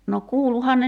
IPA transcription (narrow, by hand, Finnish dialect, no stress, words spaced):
no kuːluhɑn ne